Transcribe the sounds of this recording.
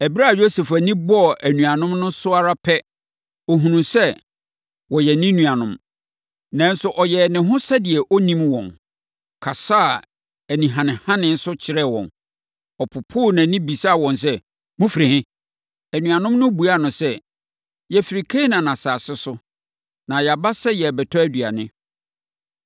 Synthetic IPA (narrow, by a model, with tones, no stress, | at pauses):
ɛ˨bi˦ɾa˦˨jo˦se˨fæ˨nĩ˦bɔ˦˨ʔæ˨nũ˨a˨nʊ̃˦mnʊ̃˦sʊ˦a˦ɾa˦pʰɛ˦ | ɔ˨ɦũ˨nũ˨sɛ˦ | wɔ˨jɛ˨nĩ˦nũ˨a˨nʊ̃˦m | nã˨n̩˦sʊ˦ʔɔ˨jɛ˨nɪ̃˨ɦʊ̃˦sa˦dɪ˨ɛ˨ʔɔ˦nĩ˦mwɔ̃˨n | kʰa˨sa˦˨ | æ˨nĩ˨ɦã˨nɪ̃˨hã˦nɪ̃˦n̩˦sʊ˦t͡ɕʰɪ˨˦ɾɛ˦˨wɔ̰̃˨n | ɔ˨pʰʊ˨pʰʊ˦˨nã˨nĩ˦bi˨sa˦˨wɔ̃˨ns̬ɛ˦ | mʊ̃˦fɾe˨hɪ̃˦ | æ˨nũ˨a˨nʊ̃˦mnʊ̃˦bu˨a˦˨nʊ̃˨sɛ˦ | jɛ˨fi˨ɾi˨kʰe˦nã˨nã˨saː˨sɪ˦sʊ˦ | nã˨ja˨ba˦sɛ˦jɛ˨bɛ˨tʰɔ˦æ˦dɥa̰˨nɪ̃˦